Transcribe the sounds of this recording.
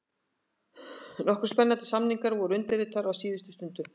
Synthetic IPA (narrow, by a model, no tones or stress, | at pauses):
nɔhkʏɾspɛnːant̪ɪ̥samniŋkaɾvɔɾʏʏnt̪ɪɾɪt̪aɾawsiːðɪst̪ʏ̥st̪ʏnt̪ʏ